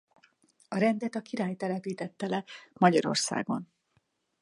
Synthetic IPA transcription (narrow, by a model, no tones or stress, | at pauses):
ɒɾɛnd̪ɛt̪ɒkiɾaːjt̪ɛlɛpiːt̪ɛt̪ːɛlɛmɒɟɒɾo̞̰rsa̰ːɡo̞n